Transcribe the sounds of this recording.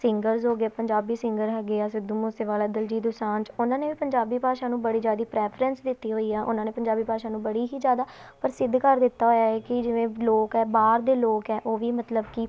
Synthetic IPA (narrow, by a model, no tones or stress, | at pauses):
sɪ̃ŋɡəɾzoːɡeːpəɲd͡ʒaːbiːsɪ̃ŋɡəɾɦɛːɡeːaːsɪd̪uːmoːsɪʋaːlaːd̪əld͡ʒiːd̪ʊsaːnt͡ʃʊnãːneːʋiːpəɲd͡ʒaːbiːpaːʃãːnũːbəɽiːd͡ʒjaːd̪iːpɾɛːpʰɾɛnsd̪ɪt̪ːiːɦoːiːɛːʔʊ̰nãːneːpəɲd͡ʒaːbiːpaːʃãːnũːbəɽiːɦiːd͡ʒjaːd̪aːpəɾsɪd̪ːkəɾd̪ɪt̪ːaːɦoːjaːkɪd͡ʒɪʋẽːloːkɛːbaːɾd̪eːloːkɛːʔoːʋiːmət̪ləbki